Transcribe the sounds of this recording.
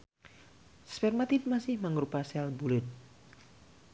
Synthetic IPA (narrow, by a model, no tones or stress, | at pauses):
spɛrmat̪id̪̚masɪhməŋɾupasalbulʊt̪̚